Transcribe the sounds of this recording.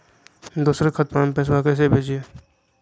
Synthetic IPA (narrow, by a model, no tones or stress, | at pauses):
d̪uːsɾekʰət̪̚manpɛːs̬wakɛːs̬ebʱeːd͡ʒieː